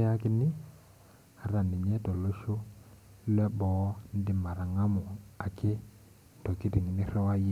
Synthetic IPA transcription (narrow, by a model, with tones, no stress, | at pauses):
a˦kɪ˦nɪ˦ | a˨ɾa˨nɪ˨ɲɛ˦tɔ˨lo˦ʃo˦ | lɛ˦bɔ˨˦n˦dɪ˦ma˨ɾa˨ŋa˦mʊ˨a˨kɪ˦˨ | tɔ˨ki˦di˨ŋi˨nɪ˦ɾɔ˦wa˦je˦